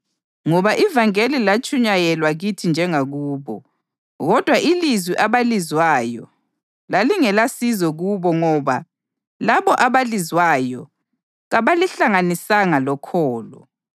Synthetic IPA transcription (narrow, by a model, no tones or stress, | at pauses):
ŋɔβaʔivaŋelilat͡ʃʼuɲajɛlwaɣitʰind͡ʒʱɛŋaɣuːβɔ̰ | ɣɔd̥ʱwaʔilizwiʔaβalizwaːjɔ | laliŋɛlasizɔɣuβɔŋɔβa̰ | laβɔʔaβalizwajɔ̰ | ɣaβaliɬaŋanisaŋalɔkʰɔːlɔ̰